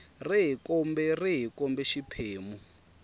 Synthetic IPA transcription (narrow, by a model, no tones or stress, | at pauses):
riɦikɔmbɛriɦikɔmbɛʃipʰeːmu